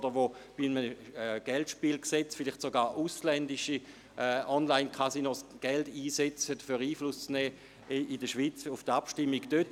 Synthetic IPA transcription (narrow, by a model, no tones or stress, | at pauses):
d̥əʋob̥iməɡ̥ɛltʃpiːlksɛt͡sfɪlɪχtsoɡaːʔuslɛndiʃi | ɛʔɔnlaɪnkʰasinɔsɡ̥ɛldiːsɛt͡sədfyʁiːflust͡snɛː | idəʃʋiːt͡sufd̥apʃtimːiɡd̥øt